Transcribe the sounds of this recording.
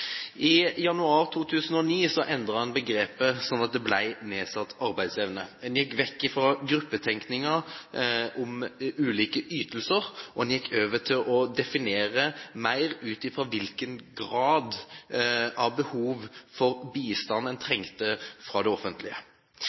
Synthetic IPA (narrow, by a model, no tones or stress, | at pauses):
ʔɪjɑnʉɑːʁt̪ʰuːt̪ʰʉːsənɔniːsɔʔɛnd̪ʁəhɑnbəɡɾeːpəsɔnːɑt̪̚d̪ɛblæɪneːsɑt̪ːɑʁbæɪd̪sɛʋnəɛnjɛkːʋɛkːɪfɾɑɡɾʉpːət̪ʰɛŋknɪŋə | ʔʊmʉːliːkəʔyːt̪əlsəʁʔɔɛnjɛkːøːʋət̪ʰɪlʔɔd̪ɛfɪneːʁəmæɪʁʉːt̪ɪfʁɑʋɪlkənɡɾɑːd̪ | ʔɑʋbəhuːʋfɔʁbiːst̪ɑnɛnt̪ʰɾɛŋt̪əfɾɑd̪ɛɔfənt̪ʰlɪə̰